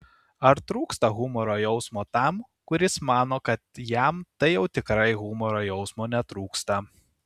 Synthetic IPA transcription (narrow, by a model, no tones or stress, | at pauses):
ɐɾt̪ɾuːkst̪ɐɣʊmɔɾoːjɛʊsmoːt̪ɑˑm | kʊɾʲɪsmɑːnoːkɐt̪jɛmt̪ɐɪjɛʊt̪ʲɪkɾɐɪɣʊmɔɾoːjɛʊsmoːnʲɛt̪ɾuːkst̪ɐ